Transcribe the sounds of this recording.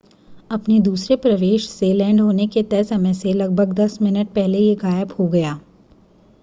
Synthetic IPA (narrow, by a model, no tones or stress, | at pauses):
ɐpned̪uːsɾepɾɐʋeːʃz̥eːlɛ̃ːɳɖɦoːneket̪ɛːsɐməselɐɡ̚bʱəɡd̪ɐsmɪnəʈ̚pɛɦlejeɡaːjəbhoɡɐjaː